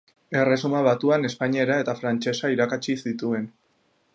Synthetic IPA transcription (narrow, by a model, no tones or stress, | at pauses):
e̞re̞sumaβat̪uane̞spaɲieɾae̞t̪afɾant͡ʃe̞saiɾakat͡ʃisit̪ue̞n